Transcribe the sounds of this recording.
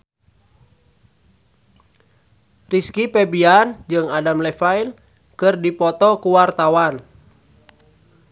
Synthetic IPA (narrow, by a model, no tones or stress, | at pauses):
riskipɛbiand͡ʒɨŋadamlɛfail | kɨrdipɔt̪ɔkuwart̪awan